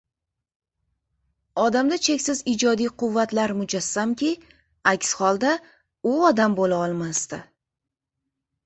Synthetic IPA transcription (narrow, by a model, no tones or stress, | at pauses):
ɒd̪amd̪at͡ʃʰe̞kʲsɪzɪd͡ʒɒd̪ijqʰʊvːat̪laɾmʊd͡ʒasːamkʲɪ | akʲshɒlˠd̪a | ʊɒd̪ambolaɒlˠmast̪ɪ